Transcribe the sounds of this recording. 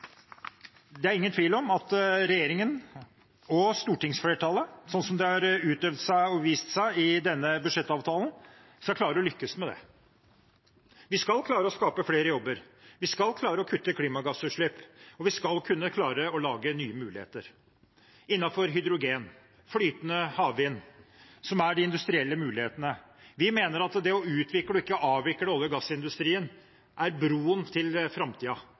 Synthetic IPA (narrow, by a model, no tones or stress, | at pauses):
d̪ɛæɾɪŋːənt̪ʰʋiːlɔmɑt̪ɾɛjeːɾɪŋən | ɔst̪uːʈɪŋsfleːʈʰɑləsɔnːsɔmd̪ɛhɑɾʉːt̪œʋd̪sæɪɔʋiːst̪sæɪɪd̪ɛnːəbʉʂɛt̪ːɑːʋt̪ʰɑːlən̩ | skɑkʰlɑːɾəɔlʏkːəsmɛd̪ɛ̰ | ʋɪskɑlkʰlɑːɾəɔskɑːpəfleːɾəjɔbːəɾ | ʋɪskɑlkʰlɑːɾəɔkʰʉt̪ːəkʰliːmɑɡɑsʉːʂɭɪpːɔʋɪskɑlkʰʉnːəkʰlɑːɾəɔlɑːɡənyːəmʉːlɪhḛːt̪əɾ | ɪnːɑfɔɾɦʏd̪ɾʊɡeːn | flyːt̪ənəhɑːʋʋiːnsɔmæɖɪɪnd̪ʉst̪ɾɪɛlːəmʉːlɪheːt̪ənə | ʋɪmeːnəɾɑt̪d̪ɛɔʉːt̪ʰʋɪkːəɽɔɪkːəɑːʋʋɪkːəɖɛɔlːəɡɑsːɪnd̪ʉst̪ɾiːən | ʔæɾbɾuːənt̪ʰɪlfɾɑmt̪ʰiːɑ